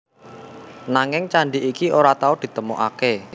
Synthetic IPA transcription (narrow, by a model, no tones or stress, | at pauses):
naŋɪŋt͡ʃaɳɖiʔikioɾat̪aod̪̥i̤t̪əmoʔake